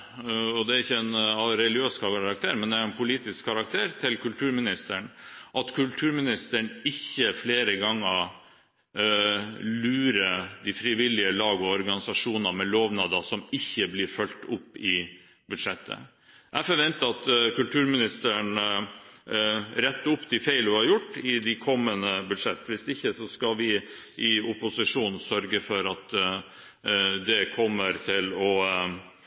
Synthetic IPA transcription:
ɔd̪ɛæɾɪçːəɛnɾɛlɪøːskʰɑɾɑk̚t̪ʰeːɾmɛnd̪ɛæɾɛnpʰʊliːt̪ɪskʰːɑɾɑk̚t̪ʰeːɾt̪ʰɪlkʉlt̪ʰʉːɾmɪnɪst̪əɳʔɑt̪kʰʉlt̪ʰʉːɾmɪnɪst̪əɳɪçːəfleːɾəɡɑŋːə | lʉːɾəd̪ifɾɪʋɪlɪəlɑːɡɔɔɾɡɑnɪsɑʂuːnəmɛloːʋnɑd̪ɑsɔmɪçːəblɪɾfœlt̪ʊpːɪ | bʉd̪ʂɛt̪ʰːə̰ | ʔæfɔɾʋɛnt̪əɑt̪kʉlt̪ʰʉːɾmɪnɪst̪əɳ | ɾɛt̪ːəʊpːd̪ɪfæɪlʊhɑɾjʊʈːɪd̪ɪkʰɔmːənəbʉd̪ʂɛt̪ːʋɪsd̪ɪçːəsɔskɑlʋɪ | ʔɪʊpʊsɪʂuːnn̩sœɾɡəfɔɾɑt̪ | d̪ɛkʰɔmːəɾt̪ʰɪlɔ

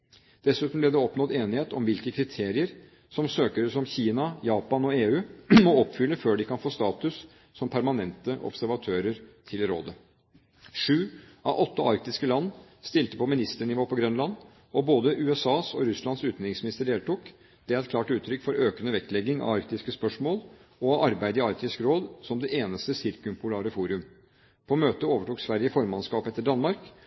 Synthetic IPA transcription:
d̪̥ɛsʉːt̪n̩blɛd̪ɛɔpnɔd̪eːnɪheːt̪ɔmʋɪlkəkʰɾɪt̪ʰeːɾɪəɾ | sɔmsøːkəɾəsɔmçiːnɑjɑːpɑnɔeːʉːmɔɔpːfʏlːəføːɖɪkʰɑnfoːst̪ɑːt̪ʉs | sɔmpʰæɾmɑnɛnt̪əʔɔ̰b̥sæɾʋɑt̪ʰøːɾəɾt̪ʰɪlɾo̰ːd̪ə | ʂʉːʔɑ̰ʋʔɔt̪ːəʔɑɾk̚t̪ɪskəlɑnːst̪ɪlt̪əpɔmɪnɪst̪əɳɪʋoːpɔɡɾœnlɑn | ɔboːd̪əʔʉːɛsɑːsɔɾʉslɑnsʉːt̪nɾɪŋsmɪnɪst̪əɖeːlt̪uːk | d̪̥ɛæɾɛt̪̚klɑːʈʉːt̪ʰɾʏkːfɔɾøːkənəʋɛkːlɛɡːɪŋɑ̰ɑɾk̚t̪ɪskəspœʂmoːlɔɑʔɑɾbæɪd̪əɪɑɾk̚t̪ɪskɾoːd̪sɔmd̪ɛʔeːnəst̪əsɪɾkʉmpʰʊlɑːɾəfuːɾʉm | pʰɔmøːt̪əoːʋəʈuːksʋæɾjəfɔɾmɑnskɑːpɛt̪ːəɖɑnmɑɾk

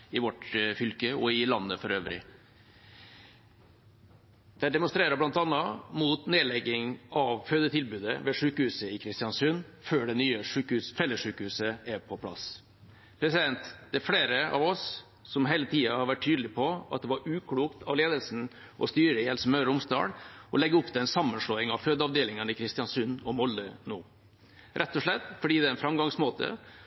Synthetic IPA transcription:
ɪʋɔʈfʏlkəɔɪlɑnːəfɔɾøːʋɾɪ̰ | d̪̥ɛhæd̪ɛmʊnst̪ɾeːɾəblɑnt̪ɑnːəmuːt̪neːlɛɡːɪŋɑʋføːd̪ət̪ʰɪlbʉːd̪əʋɛʂʉːkəhʉːsəɪkʰɾɪst̪ɪjɑnsʉn | føːɖɛnyːəʂʉːkʉsfɛlːəʂʉːkəhʉːsəæɾpʰɔpʰlɑ̰s | pʰɾɛsɪd̪ɛnt̪d̪̥ɛæɾfɽeːɾəɑ̰ʋɔsː | ɔmɦeɪlət̪ʰiːɑhɑɾʋæʈʰːyːd̪əlɪpʰɔɑt̪̚d̪ɛʋɑɾʉːkʰɽuːkt̪ʰɑʋleːd̪əlsn̩ | ʔɔ̰st̪yːɾəɪhɛlsəmœɾəʊmst̪ɑ̰ːɽʔɔ̰lɛɡəʊpd̪ɛɛnsɑmːənʂɭoːɪŋɑʋføːd̪əɑʋd̪eːlɪŋənəɪkʰɾɪst̪ɪjɑnsʉnːɔmɔlːənoː | ɾʔɛt̪ːɔʂɭɛt̪ːfɔɖiːd̪ɛæɪnfɾɑmɡɑŋsmoːt̪ʰə̰

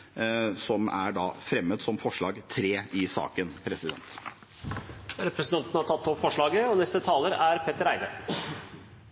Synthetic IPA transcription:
sɔmæ̰ɖɑːfɾɛmːəd̪sɔmfɔʂɭɑːɡt̪ʰɾeːɪsɑ̰ːkənpʰɾɛsɪd̪ɛ̰nt̪ | ɾɛpɾəsən̩ʰɑnt̪nəhɑʈ̪ʰɑt̪ːɔpfɔʂɭɑːɡəɔnɛst̪ət̪ʰɑːləɾæɾpʰet̪əɾæɪd̪ə̰

